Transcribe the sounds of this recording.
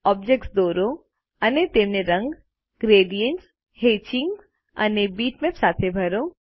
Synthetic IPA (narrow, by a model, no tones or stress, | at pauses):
ɔːb̚d͡ʒek̚ʈsd̪oːɾo | ənet̪eːmneɾə̃ŋɡ | ɡɾeːɖijənʈs | heːt͡ʃiŋɡ | ə̰nebiːʈmẽpsaːt̪ʰebʱəɾo